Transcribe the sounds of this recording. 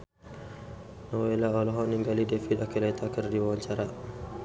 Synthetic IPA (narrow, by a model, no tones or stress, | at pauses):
nɔwɛlaɔlɔɦɔniŋɡalidɛfiɗakɛlɛtʰakaɾdiwɔnt͡ʃaɾa